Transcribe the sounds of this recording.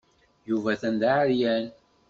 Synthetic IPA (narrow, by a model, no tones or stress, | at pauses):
juvæθænd̪aʕɾjæn